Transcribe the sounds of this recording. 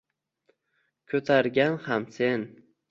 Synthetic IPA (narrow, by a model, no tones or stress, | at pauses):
kʲʰɵt̪ʰaɾɡʲanhamse̞n